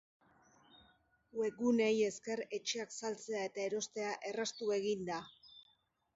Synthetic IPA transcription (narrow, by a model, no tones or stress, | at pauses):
we̞ɣune̞je̞ske̞re̞t͡ʃe̞aksalt͡se̞ae̞t̪ae̞ɾo̞st̪e̞aʔe̞rast̪ue̞ɣind̪a